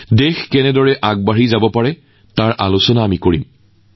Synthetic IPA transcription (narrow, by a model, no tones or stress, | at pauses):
dexkɛnɛdɔɹɛʔaɡ̚baɹizabɔpaɹɛ | taɹʔalʊsɔnaːmikoɹim